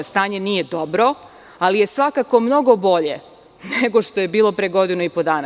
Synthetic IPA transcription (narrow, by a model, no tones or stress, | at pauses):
st̪aːɲe̞niːje̞d̪o̞bɾo̞ | alije̞sʋakako̞mno̞ɡo̞bo̞ʎe̞ | neɡo̞ʃt̪o̞je̞biːlˠo̞pɾeɡo̞d̪inuipo̞d̪aːna